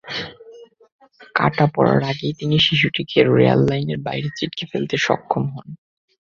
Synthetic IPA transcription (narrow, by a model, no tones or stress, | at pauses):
ka̰ʈapɔ̰ɾa̰ɾaɡejt̪iniʃiʃ̬uʈikʰeɾoɾḛa̰lːajneɾbajɾet͡ɕiʈkefelt̪eʃɔ̰kʰːomɦɔn